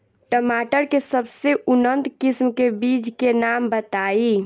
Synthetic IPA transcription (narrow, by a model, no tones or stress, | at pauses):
ʈəmaʈəɾkesəbseunənt̪kismkebid͡ʒkenambət̪ai